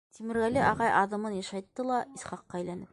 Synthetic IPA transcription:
t̪imɘ̆ɾɣælɘʔɑʁɑjʔɑðɤ̆mɤnjɑʃɑjt̪ːɤlˠɑisχɑqːɑæjlænɘp̚

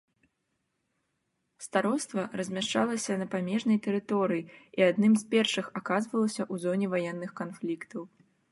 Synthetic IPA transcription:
st̪aɾɔst̪vɐrɐzʲmʲaʂt͡ʂalˠɐsʲɐnɐpamʲɛʐnɐjt̪ɛɾɨt̪ɔɾɨjiiad̪nɨmspʲɛrʂɨxakazvɐlˠɐsʲɐʔuzɔnʲɛvajɛnːɨxkanflʲikt̪ɐw

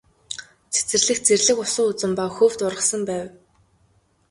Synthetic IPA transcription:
t͡sʰe̥t͡sɘ̆rɮɘ̆xt͡serɮɘ̆kʊsʊːut͡sɘ̆mpawxɵːwt̪ʊrʁə̆sə̆mpæːw

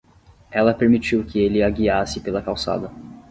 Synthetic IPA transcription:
ɛlɐpeɾmit͡ʃiwkɪelɪaɡiasɪpelɐkawsa̰d̪ɐ

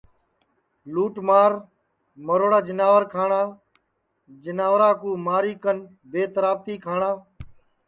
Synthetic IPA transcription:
luːʈmaːɾ | məɾoːɽaːd͡ʒənaːʋəɾkʰaːɳaː | d͡ʒənaːʋɾaːkuːmaːɾiːkən | beːt̪əɾaːb̚t̪iːkʰaːɳaː

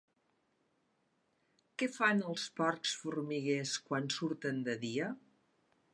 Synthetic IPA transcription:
kɛfanəlˠspɔɾksfuɾmiɣeskwansuɾt̪ənd̪əðiə

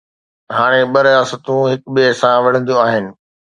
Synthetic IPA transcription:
ɦaːɽ̃eɓɐɾijaːsət̪ũɦɪkɓiesãʋɐɽ̤ə̃nd̪ijõaːɦɪnɪ̆

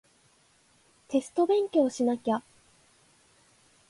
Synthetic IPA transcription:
t̪e̞sɨ̥t̪o̞bẽ̞ŋkʲo̞ːɕinakʲa

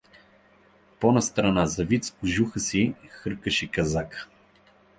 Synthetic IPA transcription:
pɔnɐst̪ɾɐnazɐvit̪skʊʒuxəsixɤɾkəʃɛkɐzakə̥

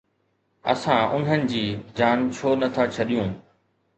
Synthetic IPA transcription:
ɐ̰sãʊn̤ənɪ̆d͡ʑiːd͡ʑaːnt͡ɕʰoːnɐt̪ʰat͡ɕʰɐɗijũː

